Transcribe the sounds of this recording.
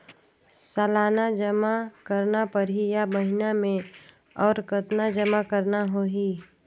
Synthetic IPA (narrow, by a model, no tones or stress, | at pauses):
salaːnad͡ʒəmakəɾnapəɾɦijabəɦɪnamẽ | ɔːɾkət̪nad͡ʒəmakəɾnaɦoːɦiː